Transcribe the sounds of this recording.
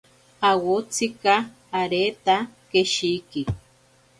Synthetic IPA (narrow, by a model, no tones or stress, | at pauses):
awot͡sikaː | ɾet̪akeʃiki